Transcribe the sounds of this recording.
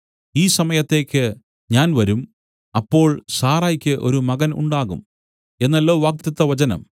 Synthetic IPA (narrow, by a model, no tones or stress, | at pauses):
iːsɐmɐjɐt̪ːe̞ːkʲːɨ | ɲaːnʋɐɾum | ɐpːo̞ːɭsaːraːjikʲːɨʔo̞̰ɾumɐɣɐnṵɳɖaːɣṵm | e̞nːɐlːo̞ːʋaːk̚t̪jɐt̪ːɐʋɐt͡ɕɐnɐ̰m